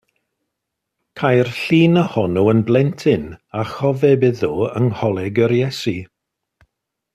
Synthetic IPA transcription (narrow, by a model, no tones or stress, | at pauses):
kʰajrɬiːnəhɔnuənblˠɛntʰɪnaχɔvɛbɪðuə̰nhɔlˠɛɡəɾjɛsi